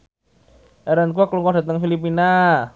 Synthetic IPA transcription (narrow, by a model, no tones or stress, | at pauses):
ʔɛɾənk̬uakluŋkɔŋda̤t̪əŋfilipina